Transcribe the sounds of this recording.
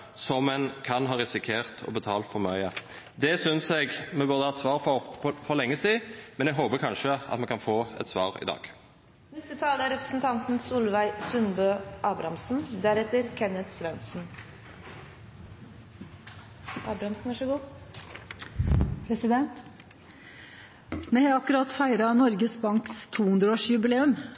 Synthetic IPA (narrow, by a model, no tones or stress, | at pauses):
sɔmːɛnkʰɑnɦɑːʁɪsɪkʰeːʁt̪ʰɔ̰bət̪ʰɑːlt̪fɔʁmœʏə | d̪ɛsʏnsɛɡmɛbʉʁd̪əɑt̪sʋɑːʁfɔfɔʁlɛŋːəsiːmɛnɛɡɦoːpəkʰɑnʃəʔɑ̰t̪mɛnkʰɑnfoːɛ̰t̪sʋɑːʁɪ̰d̪ɑ̰ːɡ̥ | nɛst̪ət̪ʰɑːləæɾɛpɾəsn̩t̪ʰɑnt̪n̩suːlʋæɪsʉnbøːʔɑːbɾɑmsn̩d̪æɾɛt̪əɾkʰɛnət̪sʋɛnsn̩ | ʔɑːbɾɑmsn̩ʋɑʂəɡuː | pʰɾɛsɪd̪ɛnt̪ | mɛhɛɑkʉɾɑt̪fæɪɾɑnɔɾɡəsbɑŋkst̪ʰuːhʉnd̪ɾəoːʂjʉbɪleːʉm